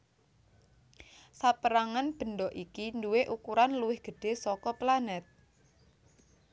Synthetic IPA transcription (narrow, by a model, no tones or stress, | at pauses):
sapəɾaŋanb̥ə̤nɖɔʔikinduweʔukuɾanluwɪhɡ̥ə̤ɖ̥e̤sɔkɔplanɛt̪̚